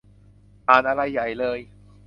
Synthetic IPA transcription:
ʔaː˨˩nʔa˧ɾa˧jːa˨˩jlɤː˧j

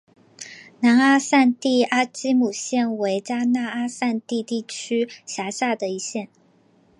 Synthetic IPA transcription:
na˧˥na˥sa˥˧nt̪i˥˩a˥t͡ɕi˥mu˨˩ɕjɛ˥˩nwe˧˥ɪt͡ɕja˥na˥˩a˥sa˥˧nt̪i˥˧t̪i˥˩t͡ɕʰy˥ɕja˧˥ɕja˥˩d̪ə˩i˧˥ɕjɛ˥˩n

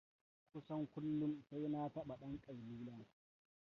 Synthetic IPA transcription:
kʷʊ˦sɐ˦ŋkʷʊ˦lːʊ˦msa˦jna˦tɐ˦ɓa˨ɗɐ˦ŋkʼɐ˨rbiː˦la˦

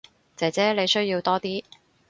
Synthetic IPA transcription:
t͡sɛː˨t͡sɛː˥le˨˧jsɵ˥ɥjiː˧wt̪ɔː˥t̪iː˥

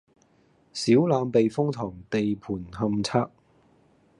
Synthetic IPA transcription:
siː˨˥wlaː˨˧mpe˨jfʊ˥ŋt̪ʰɔː˨˩ŋt̪e˨jpʰuː˨˩nɦɐ˧mt͡sʰaː˥k̚

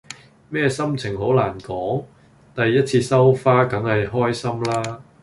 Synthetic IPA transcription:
mɛː˥sɐ˥mt͡sʰɪ˨˩ŋɦo˨˥wlaː˨˩nkɔː˨˥ŋ | t̪ɐ˨jːɐ˥t̚t͡sʰiː˧sɐ˥wfaː˥kɐ˨˥ŋhɐ˨jɦɔː˥jsɐ˥mlaː˥

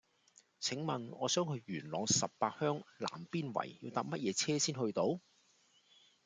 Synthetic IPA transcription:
t͡sʰɪ˨˥ŋmɐ˨nɔː˨˧sœː˨˥ŋkʰɵ˨˧ɥɥyː˨˩nlɔː˨˧ŋsɐ˨pːaː˧t̚hœː˥ŋla̰ː˨˩mpiː˥nwɐ̰˨˩jjiː˧wt̪aː˧p̚mɐ˥t̚jɛː˨˧t͡sʰɛː˥siː˥nhɵ˧ɥt̪o˨˥w

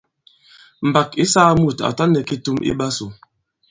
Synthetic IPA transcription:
m̩˨ba˨ki˦saː˦mu˦˨ta̰˨ta˦nɛ˨ki˦tu˦mʔḭ˦ba˦su˨

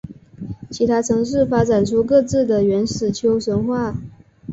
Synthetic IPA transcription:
t͡ɕʰi˧˥t̪ʰa˥ʈ͡ʂʰɤ˧˥ŋʂ̬ɻ̩˥˩fa˥ʈ͡ʂa˨˩nʈ͡ʂʰu˥k̬ɤ˥˧t͡sɹ̩˥˩d̪ə˩ɥɛ˧˥nʂɻ̩˨˩t͡ɕʰjo˥ʊʂwə˧˥nxwa˥˩

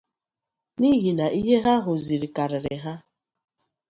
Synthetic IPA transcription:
ni˦ɦi˨na˨ʔi˦ɦe˦ɦa˦ɦʊ˨zi˨ɾi˨ka˨ɾɪ˨ɾɪ˨ɦa˦

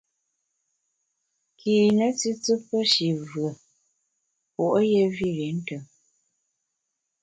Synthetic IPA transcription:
kʰiː˨nə˦t͡si˦t͡sɨ˦pːə˦ʃi˨vɰə˨ | po˨ʔo˦je˦vi˦˨ɾi˨˦n̩˦tə˨ŋ

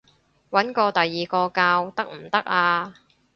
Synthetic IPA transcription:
wɐ˨˥nkɔː˧t̪ɐ˨jːiː˨kɔː˧kaː˧wt̪ɐ˥k̚m̩˨˩t̪ɐ˥k̚aː˧

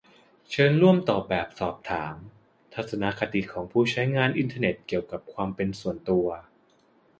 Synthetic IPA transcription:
t͡ɕʰɤː˧nɾu˥˩əmt̪ɔː˨˩bɛː˨˩p̚sɔː˨˩p̚t̪ʰaː˩˦m | t̪ʰa˨˩t̪̚sa˧na˧˥kʰa˧t̪i˨˩kʰɔː˩˦ŋpʰuː˧˩t͡ɕʰa˦˥jŋaː˧nʔi˧nt̪ʰaː˧ne˨˩t̪̚ki˨˩əwka˨˩p̚kʰwaː˧mpe˧nsu˨˩ənt̪u˧ɐ

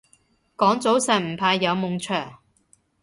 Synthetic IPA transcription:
kɔː˨˥ŋt͡so˨˥wsɛ˨˩m̩˨˩pʰaː˧jːɐ˨˧wmʊ˨˧ŋt͡ʃʰœː˨˩ŋ

